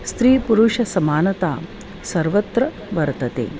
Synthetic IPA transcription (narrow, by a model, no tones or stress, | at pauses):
st̪ɾiːpuɾuʂɐsɐmaːnɐt̪aː | sɐɾʋɐt̪ɾɐ | ʋɐɾt̪ɐt̪ḛː